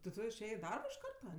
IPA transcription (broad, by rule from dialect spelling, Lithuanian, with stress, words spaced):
tʲɪ ˈtʊ ɪʃʲˈeːjeː ɪ ˈdɐrboː ɪʃ ˈkɐrtɐ